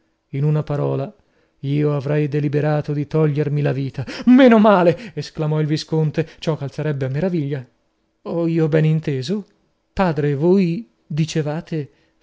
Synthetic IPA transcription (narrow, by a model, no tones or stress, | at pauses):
inunapaɾɔːla | iːoavɾɛjd̪elibeɾaːt̪od̪it̪ɔʎːermilaviːt̪ameːnomaːleːsklamɔilviskont̪et͡ʃɔkːalt̪saɾɛbːeamːeɾaviʎːa | ɔiːobɛnint̪eːzo | paːd̪ɾevoj | d̪it͡ʃevaːt̪e